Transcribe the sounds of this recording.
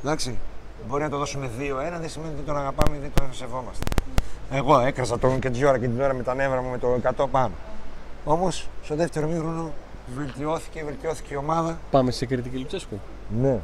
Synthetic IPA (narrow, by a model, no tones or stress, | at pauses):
ðɐksi | bo̞ɾinɐt̪oðo̞sume̞ðioe̞nɐðesime̞nit̪it̪onɐɣɐpɐmeiðet̪ose̞vo̞mɐst̪eeɣo̞e̞kɾɐsɐt̪oncet̪iʝo̞ɾɐket̪inoɾɐmet̪ɐne̞vɾɐmume̞t̪oekɐt̪o̞pɐno̞o̞mo̞sst̪o̞ðe̞ft̪e̞ɾomiɾono̞ | ve̞lt̪io̞θi̥ce̞ve̞lt̪io̞θi̥ceio̞mɐðɐpɐmesekɾit̪icilipsesku | ne